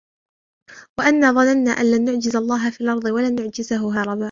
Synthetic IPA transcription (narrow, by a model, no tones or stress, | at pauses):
waʔanːaːðˤɑnanːaːʔanlaːnːʊʕd͡ʒɪzalˤːɑːɦafiːlʔɑɾˤd̪ˤɨwalaːnːʊʕd͡ʒɪzaɦʊɦɑːɾˤɑbaːʔ